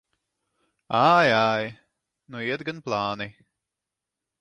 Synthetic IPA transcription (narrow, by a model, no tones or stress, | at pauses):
ajaj | nuiɛt̪ɡanplˠaːni